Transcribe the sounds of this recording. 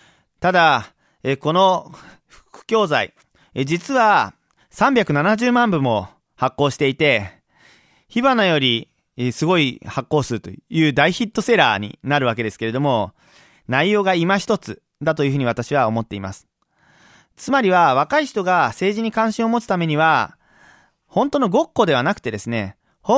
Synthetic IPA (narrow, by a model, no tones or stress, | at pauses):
t̪ad̪a | eko̞no̞ | ɸɯ̟̥kɯ̟̥kʲo̞ːzaḭ | d͡ʑit͡sɨβa | sãmbʲjakɯ̟nanaʑɨːmãmbɯ̟̃mːo̞ | hakːo̞ːɕi̥t̪e̞it̪e̞ | çiβanojo̞ɾʲi | sɨɡo̞ihakːo̞ːsɨɾɯ̟t̪o̞̰jɯ̟ːd̪aiçit̪ːo̞se̞ɾa̰ːɲ̟ḭnaɾɯ̟β̞ak̬e̞d̪e̞sɨ̥ke̞ɾe̞d̪o̞mo̞ | naijo̞ːɡaimaçi̥t̪o̞t͡sɨ | d̪at̪o̞jɯ̟ɸɯ̟ɲ̟iβat̪aɕiβ̞ao̞mo̞t̪ːe̞ima̰sɨ̥ | t͡sɨmaɾʲiβaβ̞akaiçi̥t̪o̞ɡase̞ːʑiɲ̟ikãɰ̃ɕĩɰ̃o̞mo̞t͡sɨ̥t̪ame̞ɲ̟iβa | hõ̞nt̪o̞no̞ɡo̞kːo̞d̪e̞βanakɯ̥t̪e̞d̪e̞sɨne̞̰ | ho